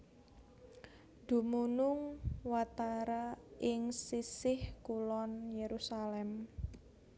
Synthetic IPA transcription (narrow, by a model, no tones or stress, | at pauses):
d̪̥ṳmunʊŋwat̪aɾaʔɪŋsisɪhkulɔnjeɾusalɛm